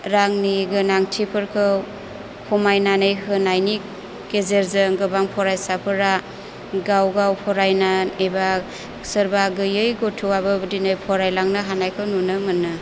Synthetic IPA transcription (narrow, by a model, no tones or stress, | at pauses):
ɾaŋniɡɯnaŋtʰipʰɯɾkʰɯw | kʰɔmajnanɯjɦɯnajni | kezeɾzɯŋɡɯbaŋpʰɔɾajsapʰɯɾa | ɡawɡawpʰɔɾajnaneba | sɯɾbaɡɯjɯjɡotʰuabɯbdinɯjpʰɔɾajlaŋnɯɦanajkʰɯwnunɯmɯnːɯ